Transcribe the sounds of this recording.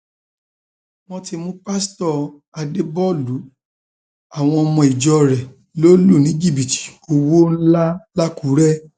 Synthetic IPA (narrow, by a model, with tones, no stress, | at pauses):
w̃ɔ̃˧ti˧mũ˦pa˦stɔ˧˨ | a˧de˦bɔ˦˨lu˨˦ | a˦˨w̃ɔ̃˧ɔ˧mɔ̃˧i˨d͡ʒɔ˧ɾɛ˨ | lo˦lu˦˨nĩ˨˦d͡ʒi˦˨bi˨ti̥˨o˧wo˦n̩˦la˦la˦ku˨˦ɾɛ˦